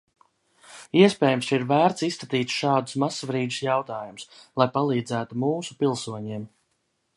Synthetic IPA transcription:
iɛspɛːjumsiɾvæːɾt̪sisːkat̪iːt̪ʃɑːd̪usmasvɾiːd̪usjawt̪aːjumʊslˠajpalˠiːd̪zæːt̪umuːsu̥pilˠsuɔɲiɛm

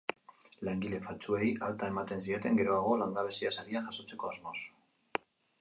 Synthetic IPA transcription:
laŋɡile̞fat͡sue̞jalt̪ae̞mat̪e̞nsiet̪e̞ŋɡe̞ɾo̞aɣ̞o̞land̪aβe̞siasaɾiaʝaso̞t͡se̞ko̞azmo̞s

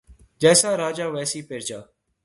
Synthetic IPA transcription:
d͡ʒɛːsaːɾaːd͡ʒaːʋɛːsiːpeːɾd͡ʒaː

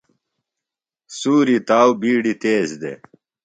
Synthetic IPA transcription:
suːɾit̪aːwbiːɽit̪eːzd̪ḛ

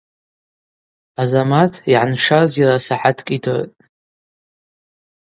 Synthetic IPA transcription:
azamatʰiʕanʂazirasaħatʰkʼitʰɨr̰tʼ

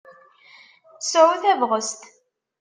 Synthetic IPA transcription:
θsʕuθævʁəst̪

